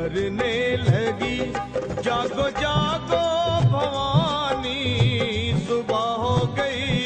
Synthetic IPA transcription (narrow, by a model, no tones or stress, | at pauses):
ɐɾneːlɛːɡiːd͡ʒaːɡoːd͡ʒaːɡoːbʱɐʋaːni | sʊbaːɦoːɡɐi